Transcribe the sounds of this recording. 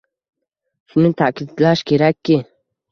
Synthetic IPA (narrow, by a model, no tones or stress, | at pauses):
sumit̪ʰakʰid̪laʃkʰeɾakʰːi